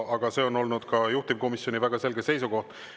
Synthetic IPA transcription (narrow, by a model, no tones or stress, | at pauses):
ʔɑɡ̥ɑse̞ːo̞no̞lnud̪̥kɑjuht̪imko̞misjo̞nivæɡ̥ɑse̞lɡe̞se̞jsuko̞ht̪